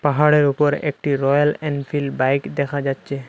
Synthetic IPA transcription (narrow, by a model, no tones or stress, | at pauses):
paɦaɽeɾupɔɾḛk̚ʈiɾɔjalɛnfʰilbajkd̪ɛkʰad͡ʑatːɕʰe